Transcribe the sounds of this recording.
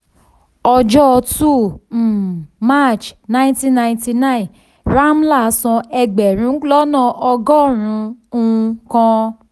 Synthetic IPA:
ɔ˧d͡ʒɔ˦˧tu˦˨˦ | ma˦˨t͡ʃnã˦tĩ˦nã˧j̃ti˧nã˦ĩ˨ | ɾa˦m̩˦la˦˨˦sɔ̃˧ɛ˧ɡ͡bɛ˨ɾ̃ũ˨˦lɔ˦nã˦˨ʔɔ˧ɡɔ˦˨ɾ̃ũ˧˦ũ˧kã˧

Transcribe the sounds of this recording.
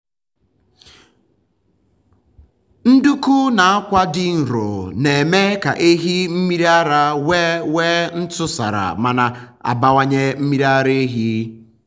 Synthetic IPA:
n̩˦du˦ku˦na˨a˦kʷa˦dɪ˦n̩˨ɾo̰˨ne˨me˦ka̰˨ʔe˦ɦi˦m̩˦mi˦ɾi˦a˦ɾa˦we˦we˦n̩˦tʊ˦sa̰˨ɾa̰˨ma˨na˨ | a̰˨ba˦wa˦ɲe˦m̩˦mi˦ɾa˦ɾe˦e˦ɦi˦

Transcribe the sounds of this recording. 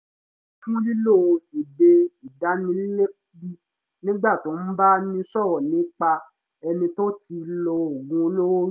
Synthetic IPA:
fũ˦li˦lo˦˨˧i˨be˧i˨da˨˦nĩ˧˦li˦le˦bi˦ | nĩ˦ɡ͡ba˦˨to˨˦n̩˦ba˦nĩ˧˦sɔ˦˨wɔ˨nĩ˨˦k͡pa˧ | ɛ˧nĩ˧to˦ti˧lɔ˧o˨ɡũ˧o˧lo˦wo˦

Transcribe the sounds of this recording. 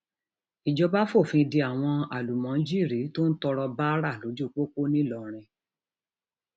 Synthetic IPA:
i˨d͡ʒɔ˧ba˦fo˦˨fĩ˧di˧a˨w̃ɔ̃˧a˨lu˨mã˨˦d͡ʒi˦˨ɾi˨˦to˦n̩˦tɔ˧ɾɔ˧ba˦ɾa˦˨lo˨˦d͡ʒu˦˨k͡po˦k͡po˦nĩ˦lɔ˨ɾ̃ĩ˧

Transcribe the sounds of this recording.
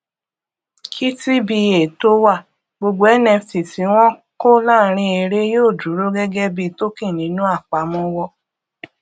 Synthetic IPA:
kʰi˦ti˦bi˧je˨to˦wa˦˨ | ɡ͡bo˧ɡ͡bo˧˦ɛ˦nɛ̃˧fi˨ti˨˦w̃ɔ̃˦ko˦la˦˨ɾ̃ĩ˧e˧ɾe˦joː˦˨du˨˦ɾo˦ɡɛ˦ɡɛ˦bi˧to˦kĩ˦˨nĩ˨˦nũ˦a˦˨k͡pa˨˦mɔ̃˦wɔ˦˨

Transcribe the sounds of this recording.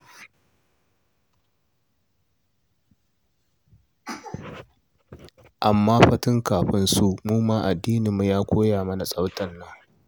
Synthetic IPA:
ʔa˨mːaː˦ɸɐ˦tɪ˦ŋkaː˨ɸɪ˦nsu˦ʔmuː˦maː˦ʔa˨dːiː˦nɪ˨mu˦jaː˦kʷoː˦jaː˨mɐ˦na˨sʼa˦wtʰɐ˦nːɐ˦ŋ

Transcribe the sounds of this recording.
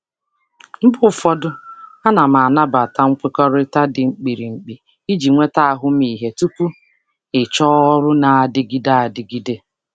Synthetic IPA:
m̩˦bʊ˦˨fɔ˦dʊ˦a˦na˨ma˨na˦ba˨ta˦ŋ̩˦kʷe˦kɔ˦ɾɪ˦ta˦dɪ˨ŋ͡m̩˨k͡pi˨ɾi˨ŋ͡m̩˨k͡pi˨ | i˦d͡ʒi˨ŋʷe˦ta˦a˨ɦʊ˦mi˨ɦe˨tu˦ku˦ | ɪ˨t͡ʃɔ˦ɔ˦ɾʊ˦na˨a˨dɪ˦ɡi˦da˦a˨dɪ˨ɡi˦de˦

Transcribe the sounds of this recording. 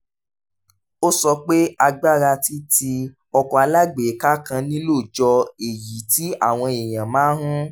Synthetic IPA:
o˦sɔ˧k͡pe˦a˧ɡ͡ba˦ɾa˧ti˦ti˧ | ɔ˧kɔ˨a˧la˦ɡ͡be˨˦ka˦kã˧nĩ˦lo˦˨d͡ʒɔ˧e˨ji˨˦ti˦a˦˨w̃ɔ̃˧e˨j̃ã˨mãː˨˦ɦũ˦

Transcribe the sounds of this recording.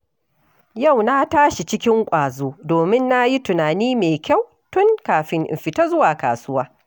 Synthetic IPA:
ja˦˨wna˦taː˦ʃi˨t͡ʃɪ˦kʲɪ˦ŋkʷʼaː˨zoː˦doː˨mɪ˦nːa˦ji˦tʊ˨naː˨niː˦meː˨kʲa˦˨w | tʊ˦ŋkaː˨ɸɪ˦ŋʔɪ̰˨mɸɪ˨ta˦zʊ˦waː˨ka̰ː˨sʊ˦waː˦

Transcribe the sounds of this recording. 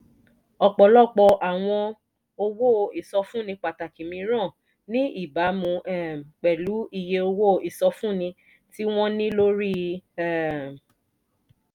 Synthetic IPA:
ɔ˧˨k͡pɔ˨lɔ˦˨k͡pɔ˧ʔa˨w̃ɔ̃˧ | o˧wo˦˨i˨sɔ˧fũ˦nĩ˧k͡pa˨ta˨ki˨mĩ˧ɾɔ̃˦˨ | nĩ˦i˦˨ba˨˦mũ˧ʔɛ˦˨m˨k͡pɛ˨lu˨˦i˧˨je˧o˧wo˦˨i˨sɔ˧fũ˦˨nĩ˧ | ti˦w̃ɔ̃˦nĩ˦lo˦ɾi˦ɛ˦˨m˨

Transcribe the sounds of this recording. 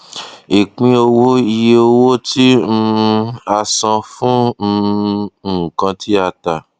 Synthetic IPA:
i˨k͡pĩ˧o˧wo˦i˧je˧˦o˧wo˦tĩ˦˧a˧sã˧fũ˦˧˦ | kã˧tʰi˦a˧ta˨

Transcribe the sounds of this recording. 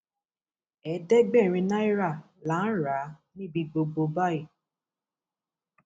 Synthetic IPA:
ɛ˨˦dɛ˦ɡ͡bɛ˦˨ɾ̃ĩ˧na˦i˦ɾa˦˨ | la˨˦ɾa˨˦nĩ˦bi˧ɡ͡bo˧ɡ͡bo˧ba˦i˦˨

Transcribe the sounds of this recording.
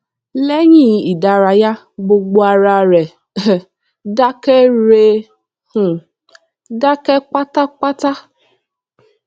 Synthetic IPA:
lɛ˦ɲĩ˦˨˧i˨da˨ɾa˧ja˦ | ɡ͡bo˧ɡ͡bo˧a˧ɾa˧ɾɛ˨ | da˦kɛ˦ɾe˧˦ | h̩˨ | da˦kɛ˦k͡pa˦ta˦k͡pa˦ta˦

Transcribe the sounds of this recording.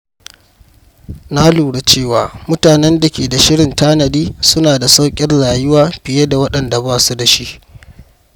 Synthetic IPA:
na˦luː˨ɽe˨t͡ʃeː˦˨waː˨mʊ˦taː˨nɛ˦nda˨kʲeː˨da˨ʃɪ˦ɽɪ˨ntaː˦nɐ˨diː˦sʊ˦naː˨da˨sa˦wkʲʼɪ˦rlaː˨jɪ˦waː˨ɸɪ˨je˦da˨wɐ˦ɗɐ˨nda˨baː˦˨su˦da˨ʃi˦ʔ

